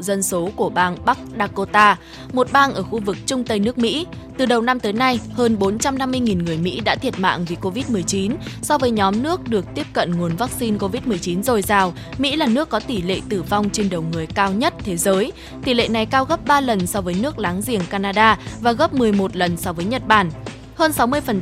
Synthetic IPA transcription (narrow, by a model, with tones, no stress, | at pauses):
zə˧nso˨˦ku˧˩əɓaː˧ŋɓa˦˥k̚ɗaː˧ko˧t̪aː˧ | mo˨˩t̚ɓaː˧ŋʔəː˧˩xu˧vɨ˨˩k̚t͡ɕʊ˧ŋ͡mt̪ə˧jnɨ˦˥ək̚mḭ˧˥ | t̪ɨ˨˩ɗə˨˩wna˧mt̪əː˨˦jna˧jhəː˧nɓo˨˦nt͡ɕa˧mna˧mːɨ˧əjŋi˨˩nŋɨ˨˩əjmḭ˧˥ɗa̰ː˧˥t̪ʰi˨˩ət̚ma̰ː˧˨ŋvi˨˩ko˧vi˦˥t̚mɨ˨˩əjt͡ɕi˨˦nsɔ˧wvəː˨˦jɲɔ˨˦mnɨ˦˥ək̚ɗɨ˨˩ək̚t̪i˦˥əp̚kə̰˧˨nŋu˨˩ənvaː˦˥k̚si˧nko˧vi˦˥t̚mɨ˨˩əjt͡ɕi˨˦nzo˨˩jzaː˨˩w | mḭ˧˥laː˨˩nɨ˦˥əkːɔ˨˦t̪i˧˩lḛ˧˨t̪ɨ˧˩va˧wŋ͡mt͡ɕe˧nɗə˨˩wŋɨ˨˩əjkaː˧wɲə˦˥t̚t̪ʰe˨˦zəː˨˦j | t̪i˧˩lḛ˧˨na˨˩jkaː˧wɣə˦˥p̚ɓaː˧lə˨˩nsɔ˧vəː˨˦jnɨ˦˥ək̚laː˨˦ŋzi˧˩əŋkaː˧naː˧ɗaː˧vaː˨˩ɣə˦˥p̚mɨ˨˩əjmo˨˩t̚lə˨˩nsɔ˧vəː˨˦jɲə˨˩t̚ɓaː˧˩n | həː˧nsa˨˦wmɨ˧əjfə˨˩n